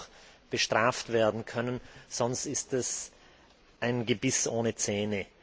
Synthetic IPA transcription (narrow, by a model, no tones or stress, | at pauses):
b̥əʃtʁ̥aːftv̥eːɐdn̩kʰœnənz̥ɔnstɪstɛs | ʔaɪnɡəbɪsʔoːnət͡sɛːnə